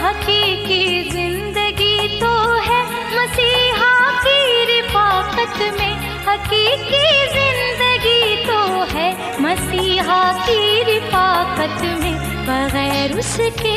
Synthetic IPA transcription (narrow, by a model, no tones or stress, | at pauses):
ɦɐqiːkizɪ̃nd̪əɡit̪oɦɛ | mɐsiːɦakiɾɪfaːqət̪mẽ | hɐqiːkizɪ̃nd̪əɡit̪oɦɛ | mɐsiːɦakiɾɪfaːqət̪mẽ | bɐɣɛːɾʊʃke